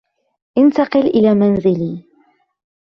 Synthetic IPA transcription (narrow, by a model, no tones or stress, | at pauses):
ʔɪnt̪ɑqɨlʔɪlaːmanzɪliː